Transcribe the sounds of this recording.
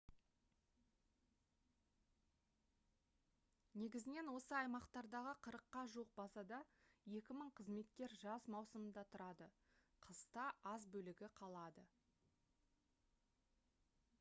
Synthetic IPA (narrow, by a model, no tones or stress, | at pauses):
ne̞ɡʲɪzɪne̞nwo̞səɑjmɑqt̪ɑɾd̪ɑʁəqʰəɾəqːɑʒuəq̚bɑsɑd̪ɑje̞kʲɪməɴqʰəzme̞t̪kʲe̞ɾʒɑsmɑwsəmənd̪ɑt̪ʰʊɾɑd̪ə | qʰəst̪ɑʔɑzbɵlɪɡʲɪqʰɑlˠɑd̪ə